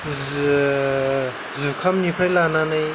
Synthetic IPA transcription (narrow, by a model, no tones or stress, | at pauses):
zukʰamnipʰajlananaj